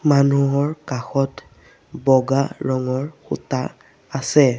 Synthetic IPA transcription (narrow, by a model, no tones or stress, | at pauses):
manuɦɔɹkaxɔt | bɔɡaɹɔŋɔɹxṵtaː | sɛ